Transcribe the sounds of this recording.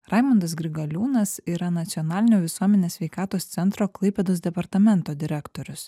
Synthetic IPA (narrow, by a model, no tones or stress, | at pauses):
ɾɑɪmɐnd̪ɐs̬ɡɾʲɪɡɐlʲuːnɐsiːɾɐnɐt̪sʲɪɔnɑːlʲɪnʲoːʋʲɪsuɔmʲɛnʲeːsʲʋʲɛɪkɑːt̪oːst̪sʲɛnt̪ɾoːklˠɐɪpʲɛd̪oːs̬d̪ʲɛpɐɾt̪ɐmʲɛnt̪oːd̪ʲɪɾʲɛkt̪oːɾʲʊs